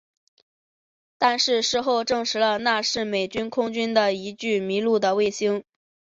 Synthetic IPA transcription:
t̪a˥˧nʂɻ̩˥˧ʂɻ̩˥˧xo˥˧ʊʈ͡ʂɤ˥˩ŋʂɻ̩˧˥lə˧na˥˧ʂɻ̩˥˩me˨˩ɪt͡ɕy˥nkʰʊ˥ŋt͡ɕy˥nd̪ə˨i˧˥t͡ɕy˥˩mi˧˥lu˥˩d̪ə˩we˥˩ɪɕi˥ŋ

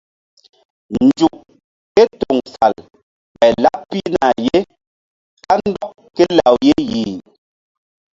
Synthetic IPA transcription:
nn̩˨d͡ʒu˨ʔ | kɛ˦tɔ˨ŋfa˨l | bɛ˨la˦ʔ̚pi˦na˨je˦ | ka˦n̩˦dɔ˦ʔ | kɛ˦la˨wje˦ji˨

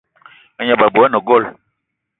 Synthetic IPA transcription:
a˦ɲa˨ba˨bu˨a˦nɔ˨ɡɔ˦˨l

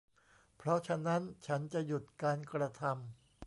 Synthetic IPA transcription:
pʰɾɔ˦˥t͡ɕʰa˧˥na˦˥nt͡ɕʰa˦˥nt͡ɕa˨˩ju˨˩t̪̚kaː˧nkɾa˧t̪ʰa˧m

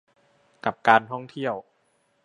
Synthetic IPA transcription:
ka˨˩p̚kaː˧nt̪ʰɔ˥˩ŋt̪ʰi˥˩əw

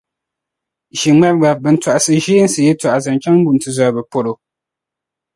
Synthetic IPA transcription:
ʒi˨mɛ˦b̚ɡa˨bɨ˨n̩˨ta˨ʔa˨sɨ˨ʒeː˦n̩˦sɨ˨jɛ˦ta˨ʔa˨za˨n˨t͡ʃa˦ŋ˦bu˨n˨tɨ˨za˨bɨ˨po˨ɾo˨

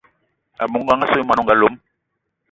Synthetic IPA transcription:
a̰˨mu˨ŋ˦ɡa˦ŋa˦so˦ma˨nɔ˦˨ŋɡa˦lo˨˦m̩˦

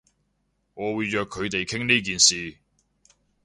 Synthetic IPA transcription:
ŋɔː˨˧wuː˨˧jjœː˨kʰːɵ˨˧ɥt̪e˨jkʰɪ˥ŋniː˥k̬iː˨nsiː˨

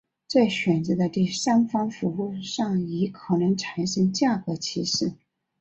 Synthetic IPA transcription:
t͡swe˥˩ɪɕɥɛ˨˩nt͡sɤ˧˥d̪ə˧t̪i˥˩sa˥nfɑ˥ŋfu˧˥u˥˧ʂɑ˥˩ŋi˧˥kʰɤ˨˩nɤ˧˥ŋʈ͡ʂʰa˨˥˦nʂə˧˥ŋt͡ɕja˥˩kɤ˧˥t͡ɕʰi˧˥ʂɻ̩˥˩

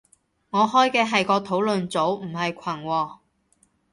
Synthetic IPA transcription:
ŋɔː˨˧hɔː˥jkɛː˧ɦɐ˨jkɔː˧t̪ʰo˨˥wlɵ˨nt͡so˨˥wm̩˨˩ɦɐ˨jkʷʰɐ˨˩nwɔː˧

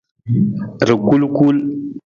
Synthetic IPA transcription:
ɾku˦lku˦l

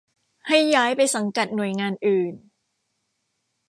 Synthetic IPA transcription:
ha˥˩jːaː˦˥jpa˧jsa˩˦ŋka˨˩t̪̚nu˨˩əjŋaː˧nʔɯː˨˩n

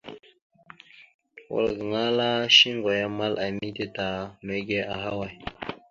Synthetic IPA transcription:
wo̰˨lɡŋa˦la˦ɕi˦ŋɡo˨ja˨ma˦lʔa˨mi˦t̪e˦t̪a˨me˨ɡe˦a˨ɦa˦wa˨j

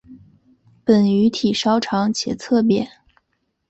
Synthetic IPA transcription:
pə˨˩ny˧˥t̪ʰi˨˩ʂɑ˥ʊʈ͡ʂʰɑ˧˥ŋt͡ɕʰjɛ̰˨˩t͡sʰɤ˥˩p̬jɛ˨˩˦

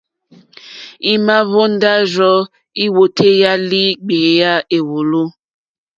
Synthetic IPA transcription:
i˦ma˦βo˦n˦da˦zɔ˦ | i˦wo˨tʰe˦ja˦li˦ɡ͡be˨˦ja˦e˨wo˨lu˦

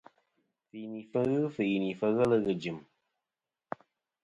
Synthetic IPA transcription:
fi˨ni˨fə˦˧ɣɨ˦fɨ˨i˨ni˨fə˧ɣə˦lə˦ɣɨ˨d͡ʒɨ˨m

